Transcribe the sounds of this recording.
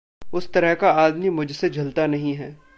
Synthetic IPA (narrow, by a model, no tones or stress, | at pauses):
ʊst̪ɐɾəɦkaaːd̪mimʊd͡ʒʱsed͡ʒʱɐlt̪anɐɦĩɦɛː